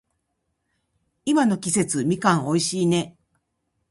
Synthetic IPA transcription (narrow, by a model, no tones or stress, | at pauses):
imano̞kʲise̞t͡sɨmʲikãɰ̃o̞iɕiːne̞